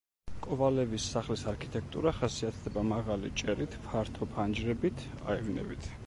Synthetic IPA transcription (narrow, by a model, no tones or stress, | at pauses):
kʼɔvalɛvisːaχlisaɾkʰi̥t̪ʼɛkʰt̪ʼṵɾaχasiat̪ʰd̪ɛbamaʁalḭt͡ʃʼɛɾit̪ʰpʰaɾt̪ʰɔpʰand͡ʒɾɛbit̪ʰa̰ɛvnɛ̰bit̪ʰ